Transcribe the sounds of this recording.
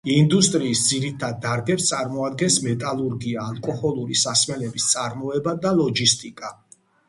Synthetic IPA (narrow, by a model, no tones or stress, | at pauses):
ind̪ust̪ʼɾiːsd̪ziɾit̪ʰad̪̚ːaɾɡɛpst̪sʼaɾmɔad̪ɡɛnsmɛt̪ʼalˠuɾɡiaːlˠkʼɔhɔlˠuɾisasmɛlɛbist̪sʼaɾmɔɛbad̪alˠɔd͡ʒist̪ʼikʼa